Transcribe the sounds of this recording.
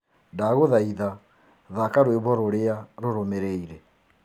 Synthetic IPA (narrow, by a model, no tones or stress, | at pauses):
ndaɣoðaiða | ðakaɾweβɔɾoɾeaɾoɾomeɾeiɾɛ